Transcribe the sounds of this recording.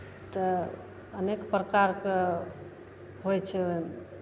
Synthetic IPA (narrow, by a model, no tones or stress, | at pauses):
t̪ə | ənekpɾəkaɾke | ɦojt͡ʃʰɛn